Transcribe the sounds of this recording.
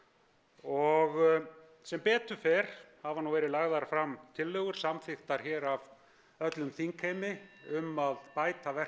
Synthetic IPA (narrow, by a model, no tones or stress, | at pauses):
ɔɣ | sɛmpɛːt̪ʏfɛɾ̥havanuvɛːɾɪlaɣðaɾfɾamt̪ʰɪlːœːɣʏɾ̥samfɪxt̪aɾ̥çɛːɾav | œt̪lʏmθiŋkʰejmɪʏmaðpaːjt̪avɛr̥